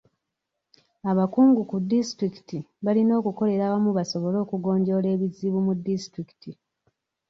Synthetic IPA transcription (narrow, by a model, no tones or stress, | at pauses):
aβakuːŋɡukudːistɾiki̥tiβalino̞ːkuko̞le̞ɾaːβamuβaso̞βo̞lo̞ːkuɡo̞ːɲɟo̞ːle̞ːβiziβumudːistɾiki̥ti